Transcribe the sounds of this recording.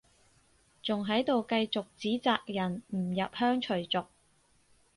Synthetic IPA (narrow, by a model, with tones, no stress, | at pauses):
t͡sʊ˨ŋɦɐ˨˥jt̪o˨wkɐ˧jt͡sʊ˨k̚t͡siː˨˥t͡saː˨k̚jɐ˨˩nm̩˨˩jɐ˨p̚hœː˥ŋt͡ʃʰɵ˨˩ɥt͡sʊ˨k̚